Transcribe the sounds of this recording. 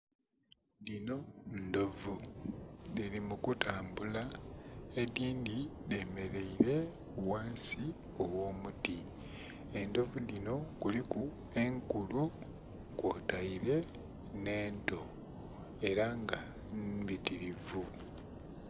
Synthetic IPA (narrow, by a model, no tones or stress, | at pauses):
dino̞ndo̞vu | dilimukutaːmbula | ediːndide̞ːme̞ɾe̞iɾe̞ | waːnsi | o̞wo̞ːmuti | e̞ndo̞vudino̞kuliku | e̞ŋkulu | koːtaiɾe̞ | ne̞ːnto̞ | e̞ɾaŋɡa | bitiɾivu